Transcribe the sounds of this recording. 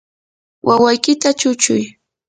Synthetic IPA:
wʔawajkɪt̪at͡ʃʊt͡ʃʊj

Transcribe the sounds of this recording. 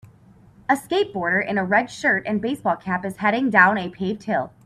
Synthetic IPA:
əskeɪp̚b̥ɔɹɾə˞ʔɨ̃nəɹɛd̥ʃɜ˞ɾɨ̃nbeɪsb̥ɔlˠkʰæpɨz̥hɛɾɪ̃ŋdãʊ̃ñɨpʰeɪv̥t̚hɪlˠ

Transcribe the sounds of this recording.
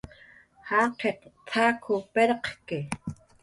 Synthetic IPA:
haːqʰeqt̪ʰaːkʰʊpeɾqkɪ

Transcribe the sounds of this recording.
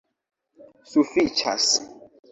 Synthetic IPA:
sufit͡ʃʰa̰s

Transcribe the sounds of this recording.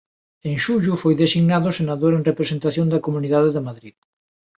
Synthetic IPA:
ẽŋʃuʎufojðesiɣnaðʊsenaðoɾẽŋrepɾesent̪aθjõŋd̪ɐkomuniðaðeðɪmaðɾið

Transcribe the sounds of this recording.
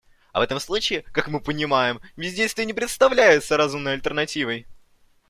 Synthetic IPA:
ɐ̰vɛt̪əmslˠut͡ɕɪːkakmɨpənʲɪmajɪmvʲɪzʲdʲest̪ʲənʲɪpɾʲɪt̪st̪ɐvlʲæjʊt̪səɾɐzumnəjɐlʲt̪ʲərnɐtʲivəj

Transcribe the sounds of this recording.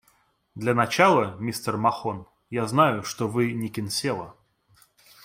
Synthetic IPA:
d̪lʲɐnɐt͡ɕalˠəmʲist̪ərmɐxon | jaznajʊʂt̪ovɨnʲɪkʲɪnsʲelˠə

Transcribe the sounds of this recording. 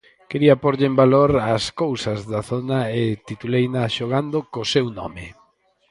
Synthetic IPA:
keɾiɐpoɾʎɪembaloɾaskowsɐzðaθonaet̪it̪ulejnaʃoɣ̞and̪okosewnɔ̰mɪ

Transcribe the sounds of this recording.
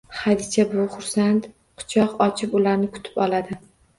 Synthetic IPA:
χad̪ɪt͡ʃʰabʊχʊɾsant̪ | qʰʊ̥t͡ʃʰɒqɒt͡ʃʰɪpʊlaɾnɪkʰʊ̥t̪ʰɪ̥pɒlad̪ɪ

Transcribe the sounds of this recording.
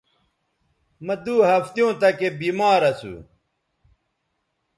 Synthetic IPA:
mɐd̪uːɦɐft̪jõːt̪ɐkebiːmaːɾɐsṵ

